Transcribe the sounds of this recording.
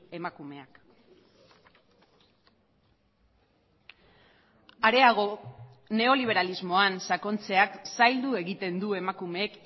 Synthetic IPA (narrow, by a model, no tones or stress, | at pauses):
e̞makume̞ak | aɾe̞aɣ̞o̞ | ne̞o̞liβ̞e̞ɾalizmo̞ansako̞nt͡se̞aksajld̪ue̞ɣit̪e̞nd̪ue̞makume̞ːk